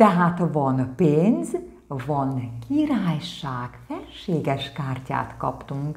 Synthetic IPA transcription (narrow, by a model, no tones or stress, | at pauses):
t̪ɛɦaːt̪vɒnpeːnz | vɒnkiɾaːjʃaːɡ̥fɛrʃeːɡɛʃkaːrca̰ːt̪kɒ̰pt̪uŋk